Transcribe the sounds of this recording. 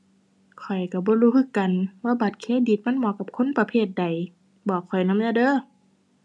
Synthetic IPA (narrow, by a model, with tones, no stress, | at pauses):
kʰɔ˨˩jka˧˩bɔː˧˦luː˧˥kʰɯ˧˨kːa˨nwaː˧˨ba˨˩t̪̚kʰeː˧˥˨diː˨˩t̪̚ma˧˥˨nmɔː˧˦ka˧˩p̚kʰo˧˥˨npa˧pʰeː˧˩t̪̚da˨˩j | bɔː˨˩kʰːɔ˨˩jna˧˥˨m˨aː˧˨dɤː˧˥˨